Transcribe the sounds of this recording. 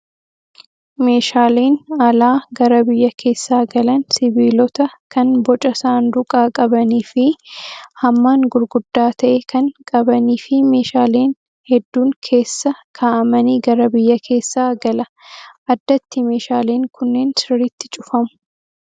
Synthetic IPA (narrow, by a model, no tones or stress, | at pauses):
me̞ːʃaːleːnɐlaːɡɐɾɐbɪjːɐkʰe̞ːsːaːɡɐlɐnsɪbiːlɔt̪ɐkɐnbɔt͡ʃʼɐsaːnd̪ʊkʼaːkʼɐbɐniːfɪ | hɐmːaːŋɡʊɾɡʊd̪ːaːt̪ʰɐʔɛkʰɐŋkʼɐbɐniːfɪme̞ːʃaːleːn | hɛd̪ːuːŋkʰe̞ːsːɐkʰaːʔɐmɐniːɡɐɾɐbɪjːɐkʰe̞ːsːaːɡɐlɐ | ʔɐd̪ːɐt̪ːɪme̞ːʃaːleːŋkʰʊnːe̞ːnsɪrːiːt̪ːɪt͡ʃʼʊfɐmʊ̥